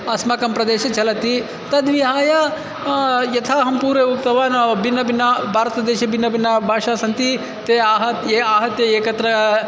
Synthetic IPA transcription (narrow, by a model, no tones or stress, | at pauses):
ɐsmɐkɐmpɾɐd̪eːʃɐt͡ʃɐlɐt̪i | t̪ɐd̪ʋiɦaːja | jɐt̪ʰaːɦɐmpuːɾeːuk̚t̪ɐʋaːnbinːɐbinːɐbʱaːɾɐt̪ɐd̪eːʃɐbinːɐbinːɐbʱaːʂaːsɐnt̪i | t̪eːaːɦɐt̪eaːɦɐt̪jɐeːkɐt̪ɾɐ